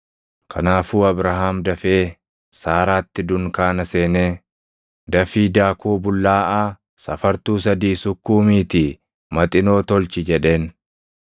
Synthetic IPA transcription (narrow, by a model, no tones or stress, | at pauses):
kʰɐ̰naːfuːɐbɾɐɦaːmd̪ɐfeː | saːɾaːt̪ːɪd̪ʊŋkaːnɐse̞ːneː | d̪ɐfiːd̪aːkuːbʊlːaːʔaː | sɐfɐɾt̪uːs̬ɐd̪iːsʊkːuːmiːt̪ɪ | mɐt̪ʼɪno̞ːt̪ɔlt͡ʃɪd͡ʒɛᶑe̞ːn